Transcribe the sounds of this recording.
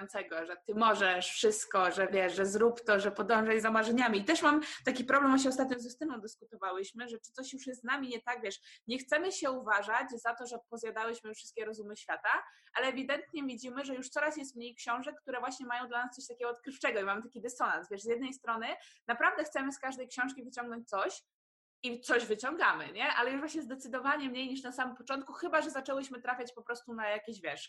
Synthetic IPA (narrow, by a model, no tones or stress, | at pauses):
nt̪sɛɡɔʐɛt̪ɘmɔʐɛʂfʂɘst̪kɔʐɛvʲjɛʂʐɛzɾupt̪ɔʐɛpɔd̪ɔ̃w̃ʐɛjzamaʐɛɲamʲiːt̪ɛʂmamt̪akʲipɾɔblɛmɔɕ̬ɛɔst̪at̪̚ɲɔ̃wzust̪ɘnɔ̃w̃d̪ɘskut̪ɔvawɘɕmɘʐɛt͡ʂɨt̪sɔɕjuʂjɛst̪ːnamʲiɲɛt̪aɡvʲjɛʂɲɛxt̪sɛmɘɕɛuvaʐad͡ʑzat̪ɔʐɛpɔzʲjad̪awɘɕmɘfʂɨst̪̚kʲɛɾɔzumɘɕfʲjat̪aʔalɛːvʲid̪ɛnt̪ɲɛvʲid͡ʑimɘʐɛjuʂt̪sɔɾasjɛst̪̚mɲejkɕɔ̃w̃ʐɛk̚kːt̪uɾɛvwaɕɲɛmajɔ̃w̃d̪lanast̪sɔɕt̪akʲɛɡɔːt̪kɾɘft͡ʂɛɡɔimamɘt̪akʲid̪ɛsɔnasvʲjɛʂzjɛd̪nɛjst̪ɾɔnɘnapɾavd̪ɛxt̪sɛmɘskaʐd̪ɛjkɕɔ̃w̃ʂkʲivɘt͡ɕɔ̃ŋɡnɔɲt͡ɕ̚ʲt̪sɔɕ | it̪sɔʑvɘt͡ɕɔŋɡamɘɲɛʔa̰lɛjuʐvwaɕɲɛzd̪ɛt̪sɘd̪ɔvaɲɛmɲejɲiʂnasamɘmpɔt͡ʂɔnt̪̚kuxɘbaʐɛzat͡ʂɛwɘɕmɘt̪ɾafʲjat͡ɕpɔpɾɔst̪unajakʲeɕvʲjɛʂ